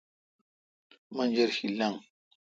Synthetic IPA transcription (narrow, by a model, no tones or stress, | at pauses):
mand͡ʒeɾhilaŋ